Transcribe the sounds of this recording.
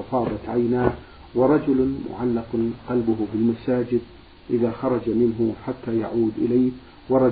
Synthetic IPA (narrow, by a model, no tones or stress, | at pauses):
ɑfɑːd̪ˤɑt̪ʕajnaː | wɪɾˤɑd͡ʒʊlmʊ̰ʕalːɪqqɑlbʊɦʊbɪlmasaːd͡ʒɪd̪̚ | ʔɪðaxɑɾˤɑd͡ʒamɪnɦʊħat̪ːajaʕuːd̪ʔɪ̰laːh | wɑɾˤɑ